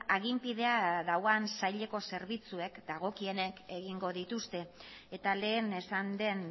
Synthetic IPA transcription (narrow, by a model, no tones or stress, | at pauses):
aɣ̞impið̞e̞aðawansajʎe̞ko̞se̞ɾβit͡sue̞kd̪aɣ̞o̞kie̞ne̞ke̞ɣiŋɡo̞ðit̪ust̪e̞et̪ale̞ːne̞sand̪e̞n